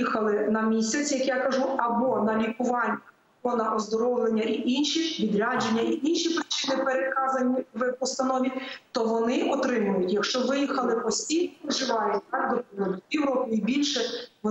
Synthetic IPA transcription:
ixɐlˠɪnɐmʲisʲɐt͡sʲjɐkjakɐʒuɐbɔnɐlʲikʊʋɑnʲːɐ | ɔnɐʔɔzd̪ɔɾɔwlˠenʲːɐʔiʔinʃiʋʲid̪ɾʲɑd͡ʒenʲːɐiʔinʃipɾɪt͡ʃɪnɪpeɾet̪kɑzɐnʲiʋpɔst̪ɐnɔʋʲit̪ɔʋɔnɪɔt̪ɾɪmʊjʊtʲjɐkʃt͡ʃɔʋɪjixɐlˠɪpɔsʲtʲijnɔɪʒɪʋɑjɛɑd̪ɔpɔnɔlʲjɛwɾɔpʲɪibʲilʲʃɛʋɔ

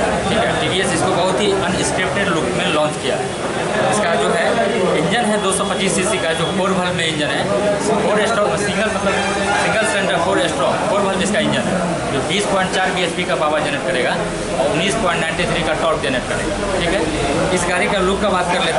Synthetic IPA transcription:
ʈʰiːkɦɛʈiːɖiesɪskobɐɦʊt̪ɦiʔɐnɪ̃skɾɪp̚ʈeɖlʊkmẽlɔ̃ːnt͡ʃkija̰ɦɛ̰ | ɪskad͡ʒoːɦɛ | ɪ̃ɲd͡ʒənɦɛd̪oːsɔpɐt͡ʃiːsːisikaɛd͡ʒoːpoːɾbʱəlnẽɪ̃ɲd͡ʒənɦɛspoːɾesʈɾɔːsɪ̃ŋɡəlmɐt̪ləb | sɪ̃ŋɡəlsɛ̃ɳʈəɾkoːɾeːsʈɾɔpoːɾbʱəlmɪskaɪ̃ɲd͡ʒənɦɛ̰ | d͡ʒoːbiːspɔ̃ːɪɳʈ̚t͡ʃaːɾbiespikabaːbad͡ʒɛːneʈ̚kɐɾeːɡa | ɔːɾʊnːiːspɔ̃ːɪ̃ɳʈnãɪ̃ɳʈit̪ʰɾikaʈɔːk̚d͡ʒɛneʈ̚kɐɾḛːɡa | ʈʰiːkɦɛ | ɪsɡaːɾikẽlʊkːabaːt̪̚kɐɾleːt̪

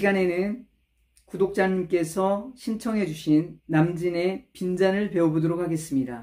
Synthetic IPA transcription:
iɡane̞nɯn | kudok̚t͡ɕ͈aɲimk͈e̞sʰʌɕʰint͡ɕʰʌŋɦe̞d͡ʑuɕʰinːamd͡ʑine̞pind͡ʑanɯɭpe̞obodoɾok̚ʰhaɡe̞s͈ɯmɲida

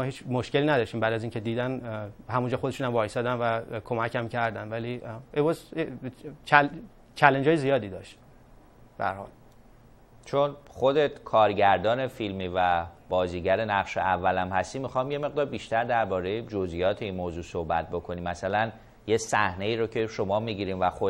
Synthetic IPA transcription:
mɒːhiːt͡ʃmoʃce̞liːnæd̪ɒːʃt̪iːmbæːd̪æziːŋcʰed̪iːd̪ænhæmund͡ʒɒːxod̪eʃuːnæmvɒːjesɒd̪ænvækʰomæcʰæmcʰæɾd̪ænvæliːebɒːz | t͡ʃʰl | t͡ʃʰælend͡ʒɒːjezijɒːd̪iːd̪ɒːʃt̪ | b̥ehæ̰ɾhɒ̰ːl | t͡ʃʰonχo̞d̪et̪kʰɒːɾɟæɾd̪ɒːne̞filmiːvæb̥ɒːziːɟæɾenæɣʃḛʔævːælæmhæst̪iːmixɒimje̞me̞ɣd̪ɒːɾbiʃt̪æɾd̪æɾbɒːɾe̞jed͡ʒozijɒːt̪ʰeinmoːzuːso̞hbæt̪̚bo̞kʰo̞niːmːæsælæn | jesæhne̞iːɾocʰe̞ʃo̞mɒːmiːɟiɾiːmvæxo

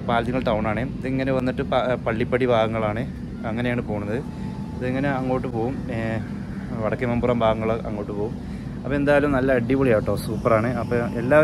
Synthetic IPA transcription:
paːlɐt̪iŋːɐɭʈɐwɳaːɳɨɐðɨiŋːɐneʋɐnːiʈːɨpapɐɭːipːɐɽibʱaːɡɐŋːɐɭaːɳɨ | ɐŋːɐne̞jaːɳɨpo̞ːɣunːɐðɨ | ɐðɨeŋːɐneɐŋːoːʈːɨpo̞ːɣum | ʋɐɽɐkːemɐmburɐmbʱaːɡɐŋːɐɭʔɐŋːo̞ːʈːɨpoːɣum | ɐpːoend̪aːjɐlumnɐlːɐɐɖːiʋoɭijaːjiʈːoːsuːpːɐraːɳɨɐpːoelːaː

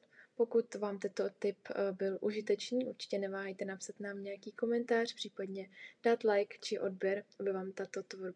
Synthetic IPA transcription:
po̞kut̪vaːmt̪ɛnt̪ot̪ɪpbɪlʔuʒɪt̪ɛt͡ʃniːʔuɾt͡ʃɪ̥cɛnɛvaːɦajt̪ɛnapsat̪naːmɲɛjakiːko̞mɛnt̪aːr̝̥pr̥iːpadɲɛd̥aːt̪lajkt͡ʃɪʔo̞d̚bjɛɾabɪvaːmt̪at̪ot̪voɾ

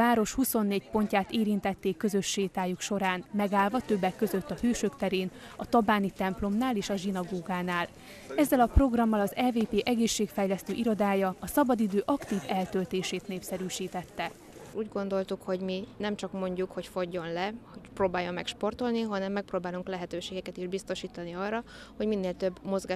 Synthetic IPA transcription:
aːɾo̞ʃhuso̞nːeːcpo̞ɲcaːt̪eːɾint̪ɛt̪ːeːkːø̞zø̞ʃːeːt̪aːjukʃo̞ɾaːnmɛɡaːlvɒt̪ø̞bːɛkːø̞zø̞t̪ːɒhøːʃøkt̪ɛɾeːn | ɒt̪ɒbaːnit̪ɛmplo̞mnaːleːʃɒʒinɒɡoːɡaːnaːl | ɛzːɛlɒpro̞ɡrɒmːɒlɒzɛːveːpeːʔɛɡeːʃːeːkfɛjlɛst̪øːʔiɾo̞d̪aːjɒɒsɒbɒd̪id̪øːʔɒkt̪iːvɛlt̪ølt̪eːʃeːt̪neːpsɛɾyːʃiːt̪ɛt̪ːɛ | uːɟɡo̞nd̪o̞lt̪ukho̞ɟminɛmt͡ʃɒkmo̞ɲɟukho̞cfo̞ɟːo̞nlɛhocproːbaːjːo̞mːɛkʃpo̞rt̪o̞lniɦɒnɛmːɛk̚proːbaːluŋklɛɦɛt̪øːʃeːɡɛkɛt̪iʒbist̪o̞ʃiːt̪ɒniɒrːɒ | ho̞ɟminːeːlt̪ø̞bːmo̞zɡaː

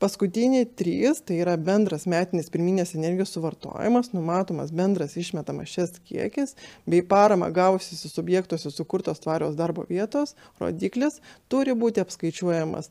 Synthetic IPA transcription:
pɐskʊt̪ʲɪnʲɪːt̪ʲɾʲiːst̪ɐɪiːɾɐbʲɛnd̪ɾɐsmʲæːt̪ʲɪnʲɪspʲɪɾʲmʲiːnʲeːsɛnʲɛɾʲɡʲɪjoːssʊʋɐrt̪o̰ːjɪ̰mɐsnʊmɑːt̪oːmɐ̰sbʲɛnd̪ɾɐsɪʃʲmʲɛt̪ɐmɐ̰ʃʲɛskʲḭɛkʲɪsbʲɛɪpɑːɾɐmɐ̰ɡɑːʋʊsʲɪsʊsʊbʲjɛːkt̪uɔsʲɛsʊkʊɾt̪oːst̪ʋɑːɾʲoːsd̪ɐɾbo̰ːʋʲiɛt̪oːs | ro̰ːd̪ʲiːklʲɪst̪ʊɾʲɪbuːt̪ʲɪɐpskɐɪt͡ʃʲuɔjɛmɐ̰s

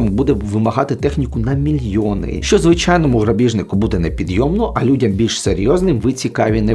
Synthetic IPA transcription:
mbud̪ɛʋɪmɐɦɑt̪ɪt̪ɛxnʲikʊnɐmʲilʲjɔnɪ̰ʃt͡ʃɔzʋɪt͡ʃɑjnɔmʊɦɾɐbʲiʒnɪkʊbud̪ɛnɛpʲid̪jɔmnɔʔɐlʲudʲɐmbʲilʲʃseɾʲjɔznɪmʋɪt͡sʲikɑʋʲinɛ

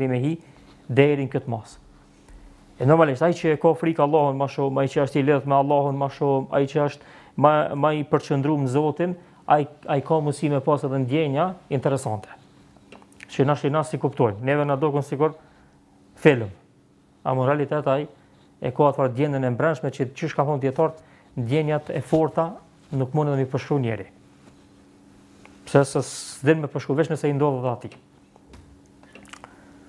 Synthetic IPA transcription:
ɾimɛɦi | d̪ɛɾiŋkət̪mas | ɛnɔɾmaliʃt̪ajit͡ʃəɛkɔfɾikalˠːɑhunmaʃumajit͡ʃəəʃt̪ilɛmɛalˠːɑhunmaʃuma̰it͡ʃəəʃt̪ | mamaipəɾt͡ʃənd̪ɾuməzɔt̪in | ajajkɑmusimɛpɑsɛðɛnd̪jɛɲaint̪ɛɾɛsant̪ʰɛ̥ | t͡ʃənaʃinasikupt̪ɔjmnɛðɛnad̪ɔkunsiɡuɾ | fɛləm | a̰munɾalit̪ɛt̪aj | ɛ̰kɔat̪aɾd̪jɛnənɛmbɾɛnʃmɛt͡ʃət͡ʃyʃkafɔnd̪jɛt̪ɔɾt̪ | nd̪jɛɲat̪ɛ̰fɔɾt̪a | nukmunɛðɛmipəʃkunjɛ̰ɾḭ | psɛsɛsd̪ilməpəɾʃkuvɛt͡ʃnəsɛind̪ɔðɛðɛat̪i

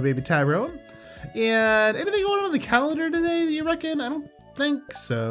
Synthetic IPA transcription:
beɪbitʰaɪbɹoʊ̃n | ɨ̃nɛniðɪ̃ŋɡoʊ̃ɪ̃ntəðɨkʰælˠə̃ndə˞ɾɨdeɪɨɹɛkɨ̃naɪɾõʊ̃n | θɪ̃ŋksoʊ

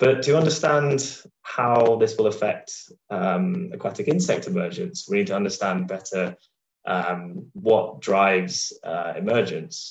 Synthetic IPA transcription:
b̥ʌtʰəʌ̃ndəstãnd̥haʊðɪswɪlˠəfɛk̚tʌ̃məkʰw̥ɑtɪkɪ̃nsɛk̚tʰɪmɜːd͡ʒə̃nswɪnid̚tʰəʌ̃ndəstãnbɛtʰə | ʔʌ̃mwɒʔd̥ɹaɪvz̥ʌ̰ɪ̰mɜːd͡ʒə̃ns

